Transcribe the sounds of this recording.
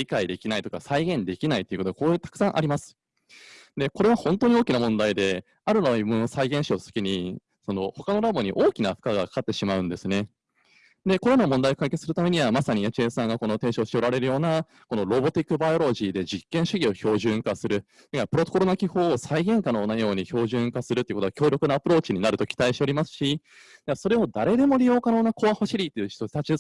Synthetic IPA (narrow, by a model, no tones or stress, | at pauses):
ɾʲikaid̪e̞kʲinait̪o̞kasaiɡẽ̞nd̪e̞kʲinait̪ːeiɯ̟kot̪oɡakoːet̪ḁkɯ̟̥sãɰ̃ʔa̰ɾʲimasɨ̥ | d̪e̞ko̞ɾe̞β̞ahõ̞nt̪o̞ɲ̟ioːkʲinamõ̞nd̪aid̪e̞ | aɾɯ̟noimonosaiɡẽ̞ɰ̃ɕiosɨ̥kʲiɲ̟i | so̞no̞ho̞kano̞ɾabo̞ɲ̟iʔo̞ːkʲinaɸɯ̟̥kaɡakḁkat̪ːe̞ɕimaɯ̟̃nd̪e̞sɨne̞ | d̪e̞ko̞ɾeno̞mõ̞nd̪aiokaike̞ɨsɨɾɯ̟t̪ame̞ɲ̟iβamasaɲ̟iet͡ɕiesãŋɡako̞no̞t̪e̞ːɕo̞ːɕi̥t̪eo̞ɾaɾe̞ɾɯ̟jo̞ːna | ko̞no̞ɾo̞bo̞t̪ʲikːɯ̟baio̞ɾo̞ʑiːd̪e̞d͡ʑikːẽ̞ɰ̃ɕɨɡʲio̞ço̞ːʑɨ̃ŋkasɨɾɯ̟ | t̪kapɯ̟ɾo̞t̪o̞koɾo̞nakʲiho̞ːsaiɡẽ̞ŋkanoːnajo̞ːɲ̟iço̞ːʑɨ̃ŋkasɨɾɯt̪eiɯkot̪ːakʲo̞ːɾʲo̞kɯ̟naːpɯ̟ɾo̞ːt͡ɕiɲ̟inaɾɯ̟t̪o̞kʲi̥t̪aiɕit̪eo̞ɾʲimasɨ̥ɕi | d̪̥easo̞ɾe̞o̞d̪aɾe̞d̪e̞mo̞ɾʲijo̞ːkanoːnako̞βahoɕiɾʲit̪ːe̞jɯ̟çi̥t̪ot̪at͡ɕi